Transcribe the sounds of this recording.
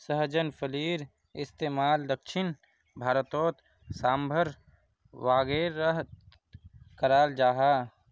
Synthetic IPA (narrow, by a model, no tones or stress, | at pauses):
səɦd͡ʒənfʰəliːɾ | ɪst̪eːmaːld̪əkʃɪn | bʱaːɾət̪oːt̪ | saːmbʱəɾ | waːɡeːɾəɦ | kəɾaːld͡ʒaːɦaː